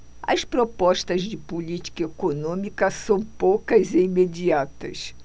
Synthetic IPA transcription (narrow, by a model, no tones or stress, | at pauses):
ɐ̰spɾopɔʃt̪ɐzd͡ʒɪpulit͡ʃi̥kɐekonõmikɐsɐ̃w̃powkɐzeimed͡ʒiat̪ɐ̰s